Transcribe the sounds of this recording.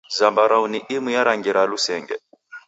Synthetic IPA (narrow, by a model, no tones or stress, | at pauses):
zambaɾauniʔimujaɾaŋɡiɾalusɛːŋɡɛ̰